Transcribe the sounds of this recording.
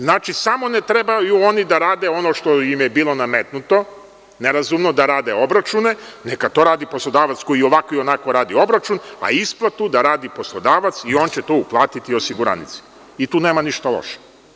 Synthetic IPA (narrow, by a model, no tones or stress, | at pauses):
znaːt͡ʃisamo̞net̪ɾe̞bajuonid̪aɾaːd̪e̞o̞noʃt̪oimjebiːlˠo̞namet̪nut̪o̞ | ne̞ɾazumnod̪aɾaːd̪e̞o̞bɾat͡ʃune̞nekat̪o̞ɾaːd̪ipo̞slˠo̞d̪aːʋat̪sko̞jio̞ʋakoio̞nako̞ɾaːd̪io̞bɾat͡ʃuna̰isplˠat̪ud̪aɾaːd̪ipo̞slˠo̞d̪aːʋat̪sio̞nt͡ɕet̪ouplˠaːt̪it̪io̞siɡuɾa̰nḭt̪si̥ | it̪uːneːmaniʃt̪alˠo̰ʃe̥